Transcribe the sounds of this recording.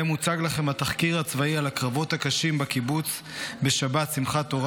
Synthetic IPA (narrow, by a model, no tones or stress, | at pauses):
emut͡saɡlaχe̞mhat̪aχkiʁhat͡svaialakʁavo̞t̪hakaʃimbakibut͡s | be̞ʃabat̪simχat̪o̞ʁ